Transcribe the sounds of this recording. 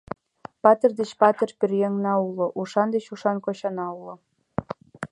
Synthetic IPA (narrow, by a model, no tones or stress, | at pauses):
pɑt̪erd̪et͡ɕpɑt̪erperjeŋnɑulŏʔuʃɑnd̪et͡ɕuʃɑnkoɕɑnɑulŏ